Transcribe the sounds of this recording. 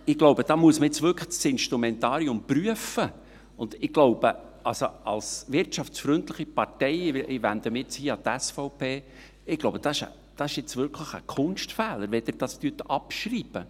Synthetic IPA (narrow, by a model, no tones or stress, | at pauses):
ɪɡ̥loʊbəd̥̪ɑːmuəsməɛt͡sʋʏɾkʰə̥sɪnʃtɾumɛnt̪ɑːɾiʊmpryəfə | ʊnd̥̪ɪɡ̥loʊb̥ə | ɑlsoɑlsʋɪrtt͡ʃɑfsfɾʏnt̪ləχipɑrtɛjɪʔɪvænd̪əmɪt͡shiːɑt̪æsfɔʊpeː | ɪɡ̥loʊb̥əd̥ɑɪʃə̰ | d̪̥ɑsɪʃjɪt͡svʏɾkʰləχə̰kʰʊnʃtfɛːləɾʋɛd̥̪ɪd̥ɑst̪yətəʔɑpʃriːb̥ə